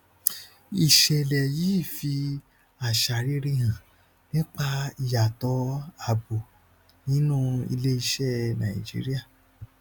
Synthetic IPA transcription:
i˨ʃɛ˨lɛ˨jiː˦˨fi˧ | a˨ʃa˨ɾi˦ɾi˦ɦã˨ | nĩ˦k͡pa˧i˨ja˨tɔ˨˦a˨bo˨ | nĩ˦nũ˦ḭ˧le˦i˧ʃɛ˦˨nã˨ḭ̃˨d͡ʒḭ˦ɾi˦a˦˨

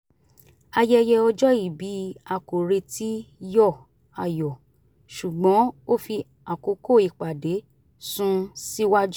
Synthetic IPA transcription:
a˧jɛ˦jɛ˧ɔ˧d͡ʒɔ˦i˦˨bi˨˦a˨ko˨ɾe˧ti˦jɔ˦˨ | a˨jɔ˨ | ʃu˨ɡ͡bɔ̃˨˦o˦˨fi˧ | a˨ko˨˦ko˦˨i˨k͡pa˨de˨˦ | sũ˦si˦wa˦d͡ʒu˦

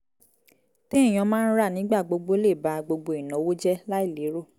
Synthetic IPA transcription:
te˦˨j̃ɔ̃˧mãː˦n̩˦ɾa˦˨nĩ˨˦ɡ͡ba˦˨ɡ͡bo˧ɡ͡bo˦le˦˨ba˨ɡ͡bo˧ɡ͡bo˧i˨nɔ̃˨˦wo˦d͡ʒɛ˦la˦i˦˨le˨˦ɾo˦˨

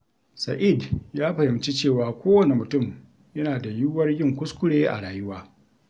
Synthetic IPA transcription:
sa˨ʔi˦˨djaː˦ɸɐ˨hɪ˨mt͡ʃi˦t͡ʃeː˦˨waː˨kʷoː˦wɐ˦˨ne˨mʊ˨tʊ˦˨m | jɐ˦naː˨da˨ju˦wɐ˦rjɪ˦˨ŋkʷʊ˦skʷʊ˦ɽeː˦ʔa̰˨ɽaː˨jʊ˦waː˦

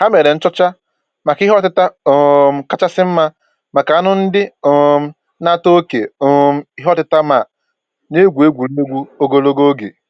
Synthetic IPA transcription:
ha˦me˨ɾe˨n̩˦t͡ʃɔ˦t͡ʃa˦ | ma˨kɪ˦ɦɔ˦tɪ˦ta˦˨ | ka˦t͡ʃa˦sɪ˦m̩˦ma˦ | ma˨ka˨a˦nʊ˦n̩˦dɪ˦˨˦ | na˦to˦o˦ke˨˦ | i˦ɦɔ˦tɪ˦ta˦ma˨ | ne˦ɡʷu˨e˦ɡʷu˨le˦ɡʷu˦o˦ɡo˦lo˦ɡo˦ɡḛ˨

